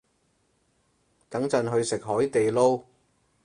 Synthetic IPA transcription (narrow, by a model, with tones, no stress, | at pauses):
t̪ɐ˨˥ŋt͡sɐ˧nɦɵ˧ɥsɪ˨k̚ɦɔː˨˥jt̪e˨jlo˥w